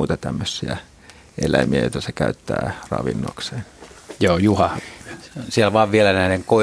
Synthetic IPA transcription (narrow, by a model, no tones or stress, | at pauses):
uːt̪ɑt̪æmːøsːiæ | ʔelæmiæjo̰ˑt̪ɑsekæyt̪ːæːrɑ̰ʋḭnːo̰kseːnjoːjuhɑh | sielʋɑːʋʋielænæˑineŋkoi